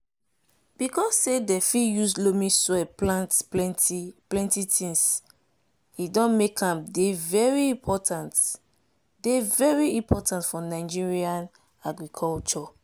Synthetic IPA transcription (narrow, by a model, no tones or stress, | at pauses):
b̥ikʰɔsːedɛfijuslomĩswɛplãntplɛ̃ntiplɛ̃ntitʰĩns | idɔ̃nmekʰãmdevɛɹiĩpʰɔtʰãnt | devɛɹiĩpʰɔtʰãntfɔnaɪd͡ʒiɹiãn | aɡɹikʰɔlt͡ʃɔ